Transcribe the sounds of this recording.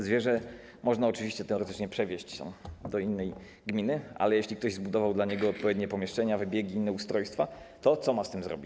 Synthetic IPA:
zvʲjɛʐɛ | mʔɔʐnaɔt͡ʂɘvʲiɕt͡ɕɛt̪ɛɔɾɛt̪ɘ̥t͡ʂɲɛpʂɛvʲjeɕt͡ɕt̪a̰d̪ɔinːɛj | ɡmʲinɘʔa̰lɛjeɕlʲikt̪ɔʑzbud̪ɔvawd̪laɲɛɡɔːt̪̚pɔvʲjɛd̪̚ɲɛpɔmʲjɛʂt͡ʂɛɲavɘbʲjɛɡʲiinːɛust̪ɾɔjst̪fat̪ɔt̪sɔmast̪ɘmzɾɔ̰bʲit͡ɕ

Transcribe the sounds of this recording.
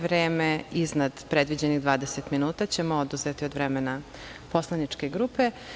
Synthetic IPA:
ʋɾeːmeiznad̪pɾed̪ʋid͡ʑeniɣd̪ʋaːd̪eset̪minuːt̪at͡ɕemood̪uzet̪iod̪ʋɾemenapo̞slˠanit͡ʃke̞ɡɾuːpe̞

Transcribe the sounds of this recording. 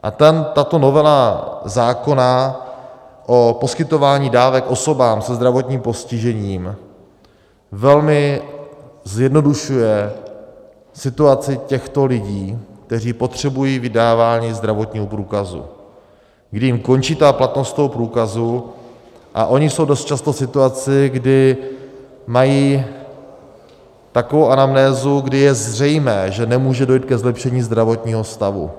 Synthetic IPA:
ʔa̰t̪ɛnt̪at̪o̞no̞vɛlazaːko̞na | ʔo̞po̞skɪt̪o̞vaːɲiːdaːvɛkʔo̞so̞baːmsɛzd̪ɾavo̞t̪ɲiːmpo̞scɪʒɛɲiːm | vɛlmɪ | zjɛdno̞duʃujɛ | sɪt̪uat͡sɪcɛxt̪o̞lɪɟiːk̚t̪ɛr̝iːpo̞t̪r̝̥ɛbujiːvɪdaːvaːɲiːzd̪ɾavo̞t̪ɲiːɦopɾuːkazṵ | ɡdɪjimko̞nt͡ʃiːt̪aːplat̪nost̪o̞ɦo̞pɾuːkazu | ʔa̰ʔo̞ɲɪso̞wdo̞st̪̚t͡ʃast̪o̞sɪt̪uat͡sɪɡdɪ | majiː | t̪akovowʔanamnɛːzuɡdɪjɛzr̝ɛjmɛːʒɛnɛmuːʒɛdo̞jit̪̚kɛzlɛpʃɛɲiːzd̪ɾavo̞t̪ɲiːɦo̞st̪avṵ

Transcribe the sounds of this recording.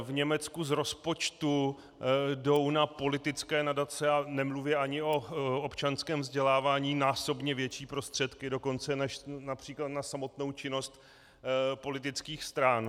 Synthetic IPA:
vɲɛmɛt͡skuzɾo̞spo̞t͡ʃt̪u | do̞wnapo̞lɪt̪ɪt͡skɛːnadat͡sɛanɛmluvɪɛaɲɪo̞opt͡ʃanskɛːmvzɟɛlaːvaːɲiːnaːso̞bɲɛvjɛt͡ʃiːpɾo̞st̪r̝̥ɛt̪kɪdo̞ko̞nt͡sɛnɛʃnapr̥iːklat̪nasamo̞t̪no̞wt͡ʃɪno̞st̪ | po̞lɪt̪̬ɪt͡skiːxst̪ɾan

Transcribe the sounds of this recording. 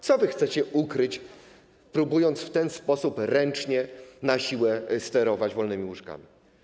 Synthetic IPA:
t̪sɔvɘxt̪sɛt͡ɕɛukɾɘt͡ɕ | pɾubujɔnt̪sft̪ɛnspɔsupɾɛnt͡ʂɲɛnaɕiwɛst̪ɛɾɔvad͡ʑvɔlnɘmʲiwuʂka̰mʲi

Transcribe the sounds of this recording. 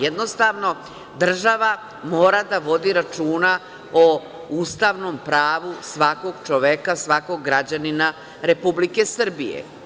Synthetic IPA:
jed̪no̞st̪aʋno̞ | d̪r̩ʒaʋa | moːɾad̪aʋo̞d̪iɾat͡ʃuːna | o | ust̪aʋnompɾaːʋusʋako̞ɡt͡ʃoʋekasʋako̞ɡːɾad͡ʑanina | ɾe̞publikesr̩bijḛ

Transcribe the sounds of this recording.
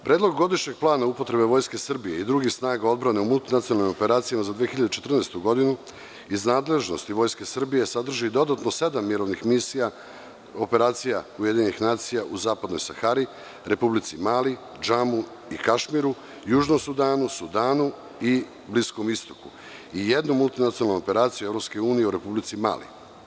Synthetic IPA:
pɾeːd̪lo̞ɡɡo̞d̪iʃɲe̞ɡ̚plˠaːnaupo̞t̪ɾe̞be̞ʋo̞ːjske̞sr̩bije̞id̪ɾuɡixsnaːɡao̞d̪bɾane̞umulˠt̪inat̪sionalnimo̞pe̞ɾaːt̪sijamazad̪ʋijexiʎad̪et͡ʃe̞t̪r̩nest̪uɡo̞d̪inu | iznaːd̪le̞ʒno̞̰st̪iʋo̞jske̞sr̩bije̞sad̪r̩ʒid̪o̞d̪at̪no̞se̞d̪amːiɾo̞ʋnixmisija | o̞pe̞ɾaːt̪sijauje̞d̪iɲenixnaːt̪sijaʔuzaːpad̪no̞jsaxaɾi | ɾe̞publit̪simaːli | d͡ʒamu | ikaʃmiɾu | juːʒnomsud̪aːnusud̪aːnu | i | blisko̞mist̪o̞̥ku | ije̞d̪numulˠt̪inat̪ionalnuo̞pe̞ɾaːt̪sijue̞vɾo̞pske̞uːnijeuɾe̞publit̪sima̰ːlḭ

